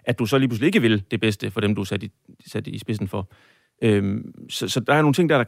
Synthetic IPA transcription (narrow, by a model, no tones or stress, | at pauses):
ʔæd̥usɒ̽liːpʰuslie̝ɡ̥əʋe̝ld̥e̝b̥esd̥əfɒ̽ɾ̥emd̥usæd̥i | sæd̥isb̥e̝sn̩fɒ̽ | ømsɒ̽sɒ̽d̥ɑ̈æɐo̝ːn̩t͡sʰe̝ŋ̰d̥æɐ̥ɑ̈